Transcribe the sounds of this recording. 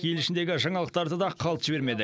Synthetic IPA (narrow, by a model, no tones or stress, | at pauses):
elɪʃɪnd̪e̞ɡʲɪʒɑɴɑlˠəq̚t̪ɑɾd̪əd̪ɑqʰɑlˠt̪ʒ̥ɪbe̞ɾme̞d̪ɪ